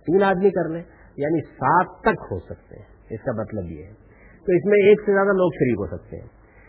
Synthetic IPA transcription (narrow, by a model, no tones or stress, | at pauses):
t̪iːnaːd̪mikɐɾlẽ | jaːnisaːt̪̚ʰt̪ːɐkɦo̰sɐk̚t̪ḛɦɛ̃ | ɪskamɐt̪ləbjḛɦɛ | t̪oɪsmẽeːksezjaːd̪aloːkʃɐɾiːkɦo̰sɐk̚t̪ḛɦɛ̰̃ː